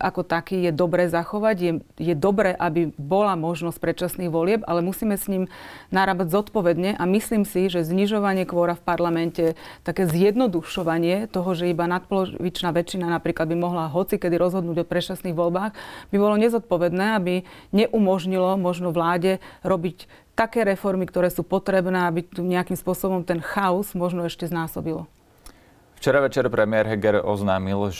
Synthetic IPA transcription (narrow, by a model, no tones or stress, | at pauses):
ʔakɔt̪akiːjɛd̪ɔbɾɛːzaxɔʋaɟjɛjɛd̪ɔbɾɛːʔabibɔlamɔʒnɔsc̚pɾɛt͡ʃasniːɣʋɔlɪɛba̰lɛmusiːmɛsɲiːmnaɾaːbaɟzɔt̪pɔʋɛd̪ɲɛʔamisliːmsiʒɛzɲiʒɔʋaɲɪɛkʋɔɾafpaɾlamɛncɛt̪akɛːzjɛd̪nɔd̪uʃɔʋaɲɪɛt̪ɔɦɔʒɛibanat̪̚pɔlɔʋit͡ʃnaːʋɛt͡ʃinanapɾiːklad̪̚bimɔɦlaɦɔt͡sikɛd̪iɾɔzɦɔd̪nuːɟɔpɾɛt͡ʃasniːɣʋɔlbaːɣbibɔlɔɲɛzɔt̪̚pɔʋɛd̪nɛːabiɲɛʔumɔʒɲilɔmɔʒnɔʋlaːɟɛɾɔbic | t̪akɛːɾɛfɔɾmikt̪ɔɾɛːsuːpɔt̪ɾɛbnɛːabit̪uɲɛakimspʊɔsɔbɔmt̪ɛnxaɔzmɔʒnɔɛʃcɛznaːsɔbilɔ | ft͡ʃɛɾaʋɛt͡ʃɛɾpɾɛmɪɛɾɦɛɡɛɾɔ̰znaːmil